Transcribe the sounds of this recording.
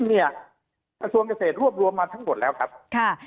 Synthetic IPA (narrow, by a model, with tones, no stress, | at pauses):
ŋni˥˩ɐ | kɾa˧su˧əŋkaː˧˩seː˨˩t̪̚ɾu˥˩əp̚ɾu˧əmːaː˧t̪ʰa˦˥ŋmo˨˩t̪̚lɛː˦˥wkʰa˦˥p̚kʰa˥˩